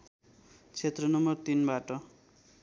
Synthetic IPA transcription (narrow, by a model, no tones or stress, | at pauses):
t͡sʰet̪rʌnʌmʌrt̪inbaʈʌ